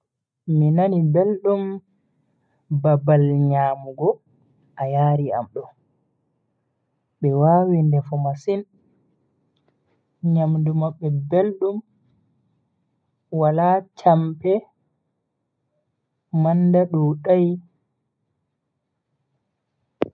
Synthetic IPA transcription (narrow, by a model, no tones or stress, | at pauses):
minanibelɗum | babalɲaːmuɡɔ | ʔajaːɾia̰mɗɔ | ɓɛwaːwindɛfɔmasin | ɲamdumaɓɛbelɗum | walat͡ʃampɛ | mandaɗuːɗaj